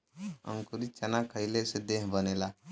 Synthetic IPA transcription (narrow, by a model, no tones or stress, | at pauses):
ə̰̃ŋkuɾit͡ʃənakʰəjlesed̪eɦbənela